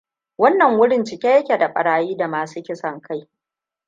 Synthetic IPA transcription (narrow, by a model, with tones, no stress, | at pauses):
wɐ˦nːɐ˨ŋwʊ˦ɽɪ˦nt͡ʃɪ˨kʲeː˦jɐ˦kʲe˨da˨ɸʼɐ̰˨ɽaː˨jiː˦da˨maː˨suː˦kʲɪ˦sɐ˨ŋkʰa˦j